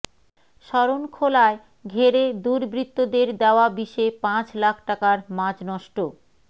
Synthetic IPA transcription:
ʃɔɾonkʰolae | ɡʱeɾed̪uɾbɾit̪ːod̪eɾd̪eoabiʃepãt͡ɕlakʰʈakaɾmãd͡ʑnɔʃʈo

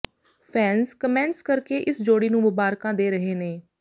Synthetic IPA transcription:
pʰɛːnskəmɛ̃ːɳʈskəɾkeːʔɪsd͡ʒoːɽiːnũːmʊbaːɾkãːd̪eːɾəɦeːneː

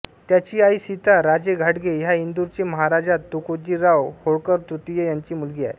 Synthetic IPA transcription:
t̪jat͡ɕiːaisit̪aɾad͡ʑeɡʱaʈɡejaind̪uɾt͡ɕeməɦaɾad͡ʑat̪ːukod͡ʑiːɾawhoɽkəɾt̪ɾut̪ijejaɲt͡ɕiːmulɡiːa̰j

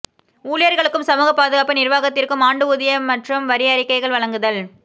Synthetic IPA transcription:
uːlɪjɐɾɣɐɭɯkːɯmsɐmuːɣɐpːaːðɯɣaːpːɐnɪrʋaːɣɐt̪ːɪrkɯmaːɳɖɯʊðɪjɐmɐʈrɯmʋɐɾɪjɐɐɾɪkːɐɪɣɐɭʋɐɭɐŋɡɯðɐl

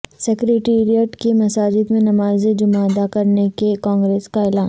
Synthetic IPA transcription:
sɛkɾeːʈeːɾiəʈkemɐsaːd͡ʒɪd̪mẽnɐmaːzed͡ʒʊmaɐd̪akɐɾnekekɔ̃ːŋɡɾeːskaɪlaːn

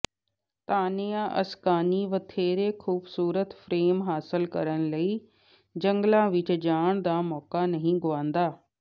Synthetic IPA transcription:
t̪aːneãʔɐ̰skaːniʋɐt̪ʰeːɾexuːbsuːɾət̪fɾeːmɦaːsɪlkɐ̰ɾəɽ̃lɐi | d͡ʑɐŋɡlãʋɪt͡ɕd͡ʑaːɽ̃d̪aːmɔːkanɐɦĩɡʊʋãːnd̪aː

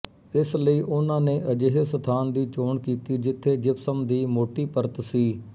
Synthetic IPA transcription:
ɪsləiːʔʊnãːneːʔəd͡ʒeɦəsət̪ʰaːnd̪iːt͡ʃoːɳkiːt̪iːd͡ʒɪt̪ʰːeːd͡ʒɪpsəmd̪iːmoːʈiːpəɾt̪siː

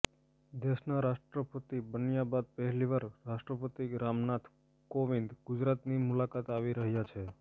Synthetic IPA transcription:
d̪eʃnaɾaʃʈɾəpət̪ibənjabad̪̚pəɦɛliʋaɾːaʃʈɾəpət̪iɾamnat̪ʰ | koʋind̪ɡʊd͡ʒɾat̪nimʊlakat̪aʋiɾəɦjat͡ʃʰe

